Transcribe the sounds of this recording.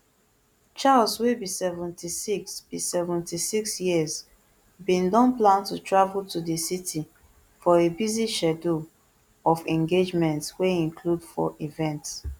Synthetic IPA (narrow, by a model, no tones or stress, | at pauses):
t͡ʃalswebisɛvɛ̃ntisiksb̥isɛvɛ̃ntisiksjiəz | bĩndɔ̃nplãntutʰɹavultudisitʰi | fɔebiziʃɛdu | ɔfɛ̃ŋɡed͡ʒmɛ̃ntweĩŋkʰludfɔ̰ʔivɛ̃nt